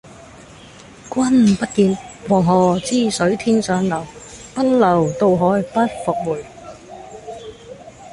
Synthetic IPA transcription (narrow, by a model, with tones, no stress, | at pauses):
kʷwɐ˥npɐ˥t̚kiː˧nwɔː˨˩ŋɦɔː˨˩t͡siː˥˩sɵ˨˥ɥt̪ʰiː˥nsœː˨˥ŋlɐ˨˩w | pɐ˥nlɐ˨˩wt̪o˧wɦɔː˨˥jpɐ˥t̚fɔ˨˧k̚muː˨˩j